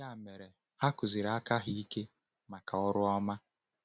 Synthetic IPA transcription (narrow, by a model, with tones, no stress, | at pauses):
a˦˨me˨ɾe˨ | ha˦kʊ˨zi˨ɾa˦ka˦ɦi˦i˦ke˦ | ma˨ka˨ɔ˦ɾʊ˦ɔ˦ma˦